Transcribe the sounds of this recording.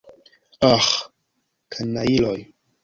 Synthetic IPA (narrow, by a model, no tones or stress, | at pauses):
ax | kʰanːailoj